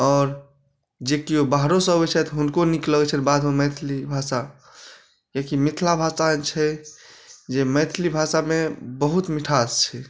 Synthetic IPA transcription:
ɔːɾ | d͡ʒekiobaɦɾosəbɛt͡ʃʰɛt̪ɦunkonikləɡɛt͡ʃʰɛnbad̪ɦomɛt̪ʰlibʱasa | kekimit̪ʰlabʱasat͡ʃʰɛ | d͡ʒemɛt̪ʰlibʱasamebəɦut̪miʈʰat̪t͡ʃʰɛ

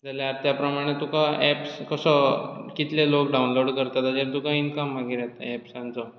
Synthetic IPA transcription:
d͡zaljaɾt̪japɾəmaɽ̃et̪ukaɛpskəsɔkit̪lelokɖaunloɽkəɾt̪at̪ad͡ʑeɾt̪ukãinkəmːaɡiɾɛt̪a̰ɛpsãnt͡sɔ

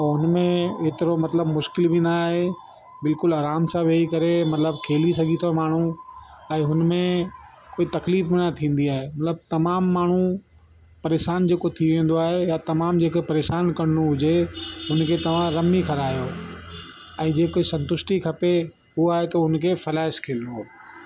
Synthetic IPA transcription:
ɦʊnmẽɦet̪ɪɾomɐt̪ləbmʊʃkɪlbinaːɦe | bɪlkʊlaːɾaːmsãʋeːikɐɾemɐt̪ləbkʰeːlisɐɡʱit̪ʰomaːɳ̤uɛ̃ːɦʊnmẽ | koːit̪ɐkliːfbɪnɐt̪ʰĩːn̆d̪iaːɦemɐt̪ləb̚t̪ɐmaːmːaːɳ̤ũ | pɐɾeːʃaːnd͡ʑeːkot̪ʰiʋẽːn̆d̪oaːɦejat̪ɐmaːmd͡ʑeːkopɐɾeːʃaːnkɐɽɪnoɦʊd͡ʑeɦʊnkʰet̪ɐʋ̤ãɾɐmikʰɐɾaːjo | ɛ̃ːd͡ʑeːkoːisɐ̃nt̪ʊsʈikʰɐpe | ɦʊaːɦet̪ɐɦʊnkʰeːfɐlaːɪʃkʰeːlɪno

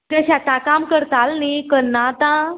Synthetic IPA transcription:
t̪eɕãt̪ãkamkəɾt̪alnekəɾnat̪ã

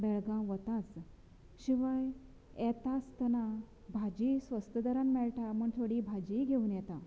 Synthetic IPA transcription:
bɛɭɡãʋət̪at͡s | ɕiʋaj | ɛt̪ast̪əna | bʱad͡ʑisʋəst̪əd̪əɾanmɛɭʈaməɳt̪ʰoɽiːbʱad͡ʑiɡʱeunjɛt̪ã

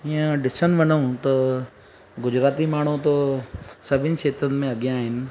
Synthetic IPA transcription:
iə̃ɖɪsənʋɐnəũt̪ɐ | ɡʊd͡ʑɾaːt̪imaːɳ̤̃ut̪osɐbʱɪnɪ̆ʃeːt̪ənmẽɐɠjãːɦɪnɪ̆

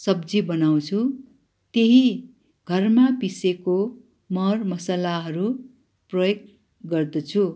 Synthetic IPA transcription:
sʌbd͡zibʌnaw̃t͡sʰu | t̪eɦi | ɡ̥ʱʌrmapiseko | mʌrmʌsalaɦʌɾu | prʌjoɡ̚ | ɡʌrd̪ʌt͡sʰu

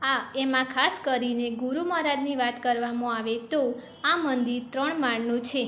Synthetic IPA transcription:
aemãkʰaskəɾineɡuɾuməɦɾad̪niʋat̪kəɾʋamõaʋet̪o | amənd̪iɾt̪ɾəɳmaɳnũt͡ʃʰe

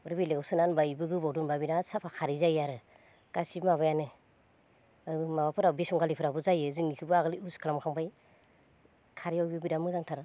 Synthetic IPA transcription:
ɯɾbilewsɯnanbajbɯɡɯbawdunbabiɾasapʰakʰaɾizajaɾɯ | ɡ̥asibmaβajanɯ | ɯjmabapʰɯɾabisuŋɡalipʰɯɾabɯzajɯzɯŋikʰɯbɯaɡliuskʰalamkʰaŋbaj | kʰaɾiawbibidamɯzaŋtʰaɾɯ

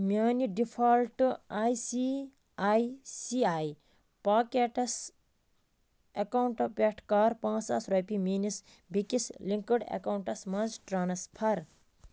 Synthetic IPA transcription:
mʲaːniɖipʰalʈaːjsi | ajsiaːj | paːkeʈɐs | ekauɳʈɐpʲeʈʰkaːɾpãːt͡sɐ̰sɾɐjpimiːnis | bʱikisliŋkəɽḛkawɳʈɐsmɐ̃nzʈɾaːnɐspʰɐɾ

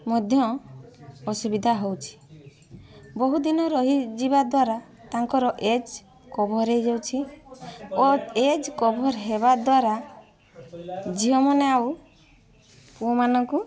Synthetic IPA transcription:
mɔd̪ʱjɔ | ɔsubid̪ʱaɦowt͡ʃʰi̥ | bɔɦud̪inɔɾɔɦid͡ʒibad̪waɾa | t̪aŋkɔɾɔʔed͡ʒ | kɔbʱɔɾejd͡ʒawt͡ʃʰi | ɔed͡ʒkɔbʱɔɾɦeβad̪waɾa | d͡ʒiɦɔmɔneaw | puɔmanɔŋku

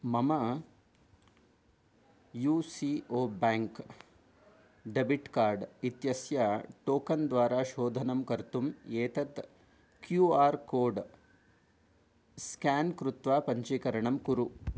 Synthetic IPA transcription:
mɐmɐ | juːsioːbaːŋk | ɖɐbiʈkaːɾɖit̪jɐsjɐʈoːkɐnd̪ʋaːɾaːʃoːd̪ʱɐnɐmkɐɾt̪umeːt̪ɐt̪ | kjuaːɾkoːɖ | skaːnkɾut̪ʋaːpɐɲt͡ʃikɐɾɐɳɐmkuɾu

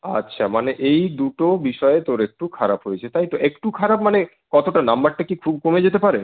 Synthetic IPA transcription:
a̰tːɕʰamaneʔejd̪uʈobiʃɔeet̪oɾek̚ʈukʰaɾabɦojet͡ɕʰet̪ajt̪oʔekʈukʰaɾab̚mane | kɔt̪oʈanambaɾʈakikʰub̚komed͡ʑet̪epaɾe

